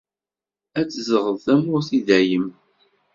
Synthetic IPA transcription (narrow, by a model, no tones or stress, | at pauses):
æt͡sːzəʁəðˤθæmʊɾθiðæjəm